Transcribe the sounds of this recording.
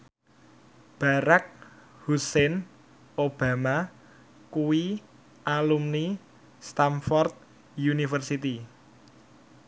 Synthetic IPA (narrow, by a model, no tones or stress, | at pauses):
b̥a̤ɾak̚ | husɛn | ob̥a̤ma | kuwi | ʔalumni | st̪amfɔrt̪̚ | junifərsit̪i